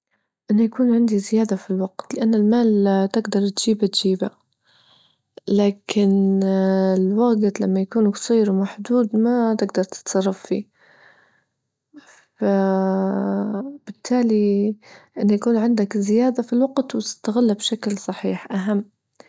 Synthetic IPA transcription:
ʔɪnːajakuːnʕɪnd̪izɪjaːd̪afilwaɡ̥t̪lɪʔanːɪlmaːlt̪ɪɡd̪ɑɾˤt̪ʒ̥iːbat̪d͡ʒiːba | laːkɪn | ɪlwaːɡɪt̪lamːajakuːnksˤiːɾwmaħd̪uːd̪mat̪ɪɡd̪ɑɾˤt̪ɪ̥t̪sˤɑrˤːɑffḭː | fa | b̥ɪt̪ʰːaːli | ʔɪnːajakuːnʕɪnd̪akzɪjaːd̪afilwaɡt̪wt̪ɪ̥st̪aɣalːabʃaklsˤɑħiːħʔaɦamː

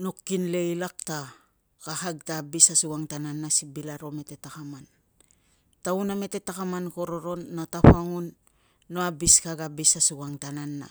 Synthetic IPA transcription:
nokːinle̞ilak̚ta | kahaɡ̚tabisasuwaŋtananːasibilaɾo̞me̞te̞takaman | tauname̞te̞takamanko̞ɾo̞ɾo̞nːataɸaŋunː | oabiskaɡabisasuɡaŋtananːa̰

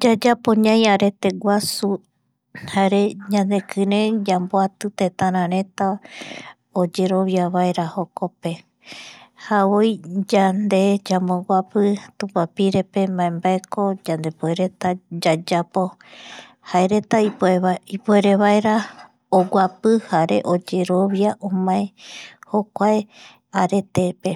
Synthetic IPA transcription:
d͡ʒad͡ʒapoɲãj̃aɾe̞t̪e̞ɡwʷasu | haeɾe̞ɲãnd̪e̞kʰɨɾẽ̞d͡ʒamboat̪ɨt̪et̪ãɾ̃ãɾẽ̞t̪a | od͡ʒe̞ɾo̞βjaβaeɾaho̞kope̞ | haβojd͡ʒand̪e̞d͡ʒamõɡʷapɨt̪ũpapiɾe̞pe̞mãẽmbaekʰo̞d͡ʒand̪e̞poeɾet̪ad͡ʒad͡ʒapo̞ | haeɾet̪aieipueɾeβaeɾa | oɡʷapɨhaɾe̞ʔod͡ʒe̞ɾo̞βjaʔõmãẽhokʷae | aɾe̞t̪e̞pe

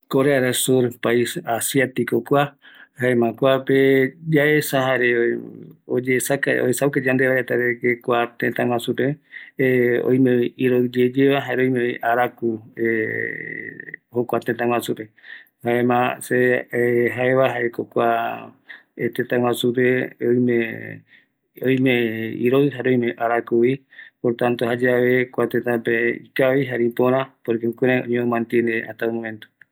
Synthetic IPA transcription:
koɾeaɾasuɾpaisasjat̪ikokʷahaemãkʷaped͡ʒaesaɦaeɾe | od͡ʒeːsakaoesauked͡ʒand̪eβaɾet̪aɾekekʷat̪ẽt̪ãw̃ʷãsupe | o̰j̃mẽiiɾod͡ʒed͡ʒeʋaɦaeɾeoj̃mẽiʔaɾakue | hokʷat̪ẽt̪ãŋwãsupe̞ | haemãseɦaeβaɦaekokʷa | et̪ẽt̪ãŋwãsupeojmẽ | ojmẽḭɾoɨɦaɾojmẽʔaɾakui | poɾt̪ãnt̪ohad͡ʒaʋekʷat̪et̪ãpeḭkaβiɦaɾipõɾ̃ãpoɾikeukeɾajõ̰ɲẽõmãnt̪iend̪ea̰ht̪aomõmẽnt̪u̥

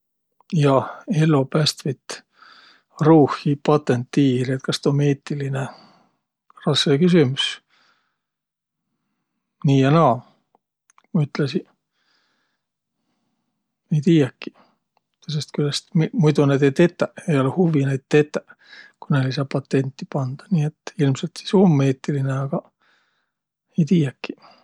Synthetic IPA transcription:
jɑelːopæst̪vit̪ | ruːhipɑt̪ːent̪ːiːriet̪̚kɑst̪omeːt̪ːiline | rɑskekys̬ymus | niːenɑː | mɑyt̪lesi | ejt̪iːjɑkːi̥ | t̪osest̪kylːæst̪mimujt̪uned̪et̪et̪ːæejolehuvinejt̪t̪ːet̪ːæ | kunelisɑpɑt̪ːent̪ːi̥pɑnd̪̥ɑ̥niːet̪ːilmselt̪isomːeːt̪ːilineɑɡ̥ɑ | ejt̪iːjækːi̥

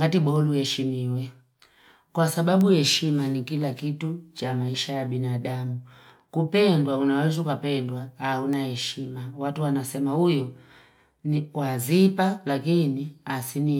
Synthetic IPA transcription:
ŋɡatiɓɔluhɛʃimiwɛ | kwasaɓabuhɛʃimanikilakitut͡ʃamaiʃajabinadamu | kupɛndwaunawɛzukapɛndwahaunahɛʃimawatuwanasɛmahujɔ | nikwazipalakiniasini

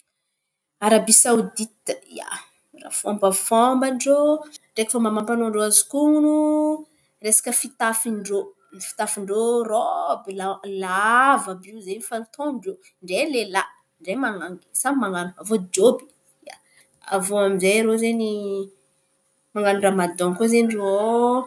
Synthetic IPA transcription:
aɾabisaud̪it̪ja̰ | ra̰fombəfɔmbanɖ͡ʐoɖ͡ʐekə̥famamampanoɳɖ͡ʐoazikuŋunu | resḁkəfit̪afiɳɖ͡ʐo | nfi̥t̪afiɳɖ͡ʐorɔbilalavəbizenfant̪ʰoɳɖ͡ʐo | ɳɖ͡ʐelela | ɳɖ͡ʐemaŋaŋɡsamaŋanuavod͡ʒobi̥ | ja̰ | a̰voamizejɾozeni | maŋɡanuɳramad̪ɔŋkozenro

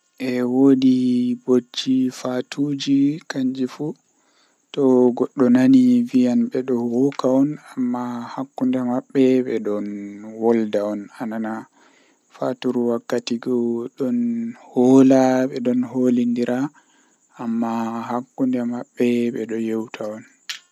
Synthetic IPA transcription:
ʔɛwodibod͡ʒːifatʰud͡ʒikaɲd͡ʒifu | tɔɡɔɗːɔnanivijanɓɛɗɔwɔkaɔnamːahakːundɛmaɓːɛɓɛɗɔnwɔldaɔnanana | fatuɾuwakːatiɡɔɗɔnhɔlaɓɛɗɔnholindiɾʔaː | mːahakːundɛmaɓːɛɓɛɗɔjɛwtʰaɔn

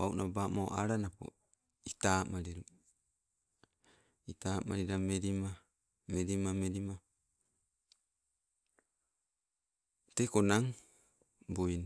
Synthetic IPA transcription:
awnʔabamoʔaɾanapo̰ | itaːmaɾiɾu | itama̰ɾiɾameɾima | meɾimameɾima | t̪ekonaŋ | bojn

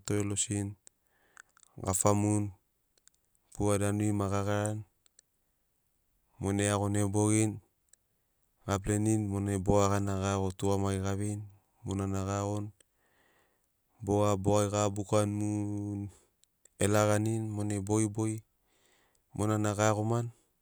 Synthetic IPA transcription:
toelosin | ɡa̰famun | puadanuimaɡaɣaɾan | moneaɣo̞nebo̞ɡin | ɡap̬leninmoneboakanaɡaɣotuamajɡaβin | monanaɡaɣon | boaboajɡabukanmun | elaɡaninmonebojboj | mʔonanaɡakoman

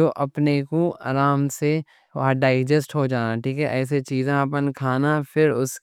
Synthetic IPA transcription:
oːʔɐpnekoaːɾaːmse | ʋɐɦaɖaːɪd͡ʒəsʈɦod͡ʒaːnaʈʰiːkɛʔɛːs̬et͡ʃiːzẽapənkʰaːnapʰɪɾʊs

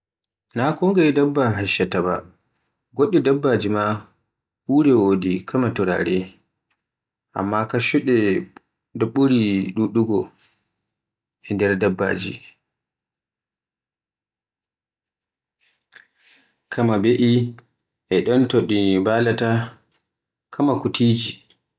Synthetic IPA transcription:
nakɔŋɡaɛdabːaɦaʃːataba̰ | ɡoɗːɛdabːad͡ʒima | ʔuːɾɛwodikʰamatuɾa̰ɾɛ | ʔa̰mːakaʃuɗɛ | daɓuɾiɗuɗuɡɔ | ɛndɛɾdabːa̰ːd͡ʒḭ | kʰamabeʔi | ʔɛɗɔntoɗibalata | kʰamakutʰiːd͡ʒi

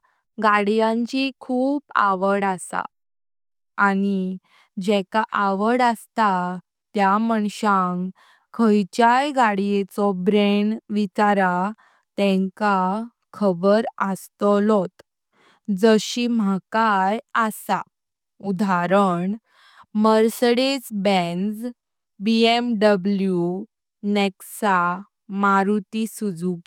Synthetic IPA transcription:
ɡaɽijãɲt͡ɕikʰuːpa̰ʋəɽasa̰ | ani | d͡ʑɛkaʔaʋəɽəst̪a | t̪jaməɳɕãŋ | kʰəjt͡ɕajɡaɽijet͡sɔbɾeɳʋit͡ɕaɾa | t̪ɛ̃ŋka | kʰəbəɾəst̪ɔlɔt̪ | d͡zəɕim̤akajasa | ud̪aɾəɳ | məɾseɽesbɛnd͡z | biemɖəblju | neksa | maɾut̪isud͡zuː

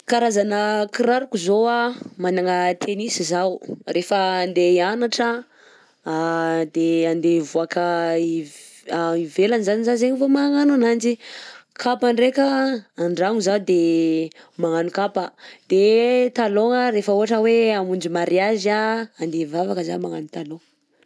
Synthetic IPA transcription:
kaɾazanəkiɾaɾukuzoamanaŋət̪ʰenisizawrʔefəːnd̪eanaʈ͡ʂə | d̪eand̪evuakəi | aivelanizanizazeɲivomaŋananand͡ʒikʰapaɳɖ͡ʐekəaɳɖ͡ʐaŋuzad̪e | maŋanukapəd̪̥et̪aloŋəɾefəuɦaʈ͡ʂəweamund͡ʒimaɾiazaːnd̪evavakəzamaŋanut̪alo

